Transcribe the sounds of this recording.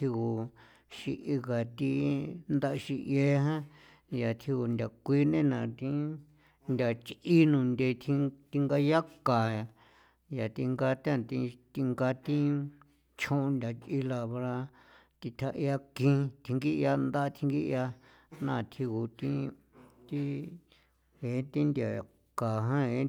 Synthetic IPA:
t̪ʰi˧ku˨ | ʃi˧ʔi˧ɣa˨t̪i˧nd̪a˦ʔʃi˧ʔje˦ɦã˦ | ja˨t̪ʰi˧ku˧nd̪ʲa˨kʷi˦nẽ˦nã˨t̪ĩ˦ | nd̪ʲa˨t͡ʃi˦nũ˨nd̪e˧t̪ʰĩ˧t̪i˧ŋɡa˧ja˦ka˨a˨ | ja˨t̪i˧ŋɡa˧t̪ã˦t̪ĩ˧t̪i˧ŋɡa˧t̪ĩ˦ | t͡ʃʰõ˦˧nd̪ʲa˨t͡ʃi˧la˧βɾa˧ | t̪i˧t̪ʰa˧ʔi˧a˧kĩ˧t̪ʰi˧ŋɡi˦˧a˧nd̪a˦˧t̪ʰi˧ŋɡi˦ʔja˧ | nã˦˧˨t̪ʰi˧ku˨t̪ĩ˦ | t̪i˦ | e˨˦t̪i˦nd̪ʲa˨ | ka˨ɦã˦e˨˦

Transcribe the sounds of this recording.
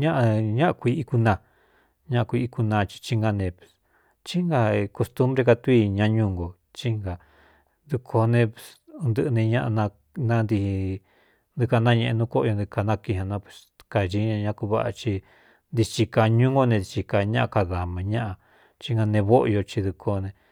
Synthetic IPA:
ɲã˦ʔa˧ɲã˦ʔa˧kʷi˧˦i˧ku˧nã˧ | ɲã˦ʔa˧kʷi˧i˧ku˧nã˧t͡ʃi̥˧t͡ʃi˦ŋɡa˧nẽ˧pwe̥˨s | t͡ʃi˦ŋɡa˧ko˧st̪u˦mbɾe˧ka˧t̪u˧˦i˧ɲã˧ɲũ˧ŋɡo˨ | t͡ʃi˦ŋɡa˨ | d̪u˧kʰo˧nẽ˧pe˧˨s | u˧nd̪ɨ˧ʔnẽ˧ɲã˦ʔa˧nã˧ | nã˦nd̪i˧hi˧ | nd̪ɨ˧ka˧nã˦ɲẽ˧ʔe˧nũ˦ko˦ʔo˧nd̪i˧ka˧nã˦˧ki˧hã˧nã˧pwe̥˨s | ka˨ʒi˧˦ɲã˧ɲã˧ku˧βa̰˦ʔa̰˧t͡ʃi˧ | nd̪i˧t͡ʃi˧ka˧ɲũ˦ŋɡo˧nẽ˧di˧t͡ʃi˧ka˧ɲã˦ʔa˧ka˧ða˨mã˧ɲã˦ʔa˧ | t͡ʃi˦ŋɡa˧nẽ˧βo˦ʔo̰˧jo˧t͡ʃi˧ðu˧kʰo˧nẽ˧

